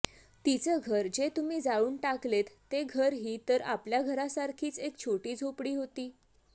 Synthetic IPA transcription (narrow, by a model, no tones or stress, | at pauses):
t̪it͡səɡʱəɾd͡ʑet̪umiːd͡zaɭuːnʈaklet̪ːeɡʱəɾɦiːt̪əɾapljaɡʱəɾasaɾkʰiːt͡sekt͡ɕʰoʈiːd͡zʱopɽiːɦot̪iː